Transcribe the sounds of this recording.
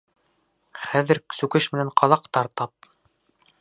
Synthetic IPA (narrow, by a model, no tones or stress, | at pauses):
χæðɘ̆ɾsʉkɘʃmɘ̆nænqɑlˠɑqt̪ɑɾt̪ɑp̚